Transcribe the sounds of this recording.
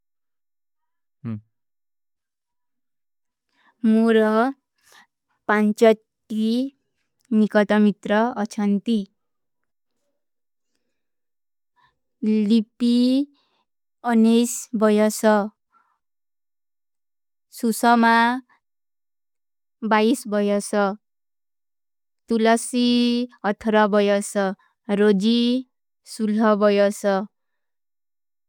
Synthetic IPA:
moɾʌ | pant͡sʌtː | i | nikʌt̪ʌmit̪rʌʌt͡sʰʌnt̪i | lipi | ʌnesbʌjʌsʌ | susʌma | baisbʌjʌsʌ | t̪ulʌsiʌt̪ʰʌɾʌbʌjʌsʌ | ɾod͡zi | sulʌbʌjʌsʌ

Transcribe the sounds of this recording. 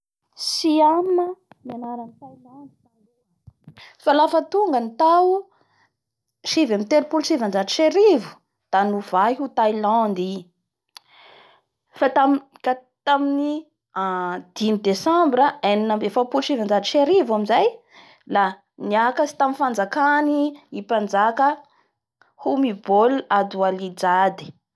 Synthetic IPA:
sianəmianaɾanit̪ajland̪za | falafət̪uŋɡənit̪awu | ʃivamit̪eɾipulsivand͡ʒadi̥ʃeɾivu̥ | d̪̥anuv̥aɦut̪ajlãnd̪i | fat̪amkat̪amini | d̪̥inid̪esãmbɾəeninambefapulʃivand͡ʒad̪iʃeɾivaminzaj | la | niakəsi̥t̪aminfand͡zakaniipand͡zakə | humibolad̪ualid͡zad̪i̥

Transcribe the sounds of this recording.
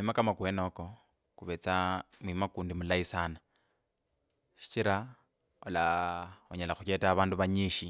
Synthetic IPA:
imakamakwenoko̞ | kuβet͡samwimakuːndimulaisana | ʃi̥t͡ʃiɾa | olaoɲalaxut͡ʃetaːβaːnduβaɲiʃi

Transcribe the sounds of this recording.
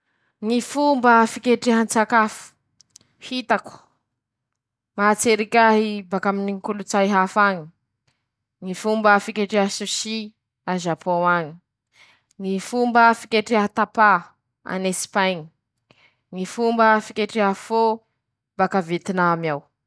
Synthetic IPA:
ŋifumbəfikʲeʈ͡ʂiɦant͡sakafu̥ | hit̪aku̥ | mat͡seɾikʲaɦibakaminiŋkulut͡sajɦafaŋi | ŋifumbəfikʲeʈ͡ʂeɦasusi | azapʰowaɲi̥ | ŋifumbəfikʲeʈ͡ʂiat̪apa | a̰nespaɲi̥ | ŋifumbəfikʲeʈ͡ʂeɦafo | bakavet̪inamiaw

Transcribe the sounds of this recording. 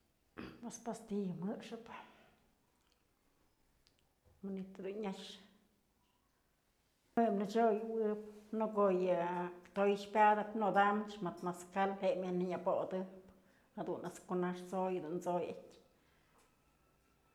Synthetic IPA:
pespast̪ijɨmɨʔʂɨp | manit̪ɨd̪unɲaʂ | emnɨt͡ʃojwɨp̚nokojɨt̪ojʂpʲad̪ɨpnod̪amt͡ʃmat̪maskalheʔmjanɨɲapod̪ɨp | had̪unaskonaʂt͡sojd̪unt͡sojatʲ

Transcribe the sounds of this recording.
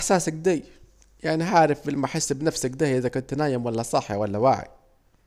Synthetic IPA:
ʔaħsaːsak̚d̪aj | jaʕniɦaːɾˤɪfbɪlmaħɪsːbnafsakd̪aːʔɪzakʊnt̪naːjɪmwalːasˤɑħːawalːawa̰ːʕḭ

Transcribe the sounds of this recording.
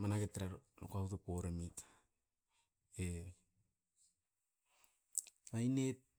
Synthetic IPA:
manaketːeɾaɾno̰kautopoɾemit | e | ainet̚

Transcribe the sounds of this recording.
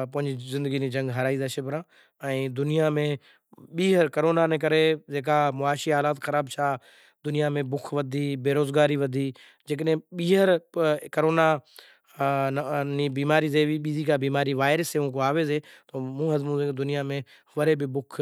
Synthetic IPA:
pʊɦɪ̃ɲd͡ʒizɪ̃nd̪əɡiːniːd͡ʒə̃ŋɡɦəɾaːiːd̪aʃɪbɾãː | ɛ̃ːd̪ʊnijamẽː | ɓiːɦəɾkəɾoːnaːnẽːk̬əɾed͡ʒeːk̬aːmʊaːʃiːaːlaːt̪xəɾaːbt͡ʃʰaː | d̪ʊnɪjamẽbʊkʰʋəd̪ʱiːbeːɾoːzɡaːɾiːʋɐd̪ʱiː | d͡ʒeːkəɗɦɓiːɦəɾkəɾoːna | niːbiːmaːɾiːzeːʋiːɓiːziːkaːbiːmaːɾiːʋaːɪɾəseːũːkoaːʋeːzeːt̪oːmũːɦəzmũzed̪ʊnɪjamẽ | ʋəɾeːbɪbʊkʰ

